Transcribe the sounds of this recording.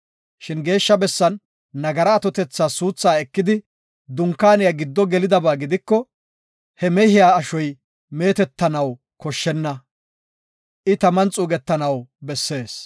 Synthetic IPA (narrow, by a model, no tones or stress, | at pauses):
ʃɪnɡe̞ːʃːɐbɛsːɐnː | ɐɡɐɾɐːt̪ɔt̪ɛt͡sːaːsuːt͡sːaːɛkːɪd̪ɪ | d̪ʊŋkːaːnɪjɐɡɪd̪ːɔɡɛlɪd̪ɐbaːɡɪd̪ɪkːɔ | hɛmɛhɪjaːɐʃɔj | me̞ːt̪ɛt̪ːɐnɐw | kɔʃːɛnːɐ | ʔɪt̪ɐmɐnt͡sʼuːɡɛt̪ːɐnɐwbɛsːe̞ːs